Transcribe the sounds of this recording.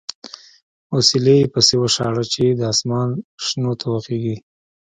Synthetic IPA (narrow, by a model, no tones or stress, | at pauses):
osilejepəsewəʂɑɽat͡ʃed̪əɑsmɑnʂnot̪ʰawaqeɡi